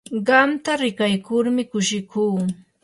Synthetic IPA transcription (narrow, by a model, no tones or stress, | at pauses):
ɢɑmt̪aɾɪkajkʊɾmɪkʊʃɪkuː